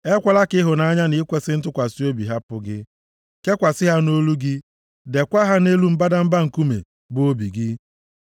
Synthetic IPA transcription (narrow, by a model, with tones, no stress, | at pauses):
e˦kʷa˦la˦kɪ˦ɦʊ˨na˨˦ɲa˦nɪ˦kʷe˦sɪ˦n̩˦tʊ˦kʷa˨si˦o˦bi˨ɦa˦pʊ˦ɡɪ˦ | ke˦kʷa˨sɪ˦ɦa˦no˦lu˦ɡɪ˦ | de˨kʷa˦ɦa˦ne˦lu˦m̩˦ba˦da˦m̩˦ba˦ŋ̩˨ku˦mḛ˨ | bo˦bi˨ɡɪ˦